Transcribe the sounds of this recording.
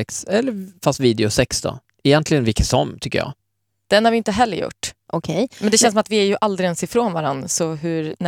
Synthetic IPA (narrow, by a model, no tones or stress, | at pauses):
ɛksɛlːəɾfast̪viːd̪ɛʊsɛksd̪ɔ̰ | ɛjɛnt̪lɪɡənvɪkːəsɔmːt̪ʰʏkːə̰jɑ̰ː | d̪̥ɛnhaɾvɪɪnt̪əɦɛlːəɾjʊ̰ʈːʔɔkʰɛjmɛnd̪ɛɕɛnsɔmat̪vɪæɾjɵʔald̪ɾɪɛnsɪfɾoːnvaɾanːsɔɦɵɾnæ